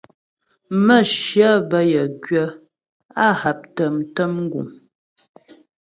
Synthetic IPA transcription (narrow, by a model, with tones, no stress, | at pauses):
mə˦˨ʃjə˦bə˦jə˨ɡɥə˦ | a˦ha˨p̚tə˨mtə˦mŋ̩˦ɡṵ˨m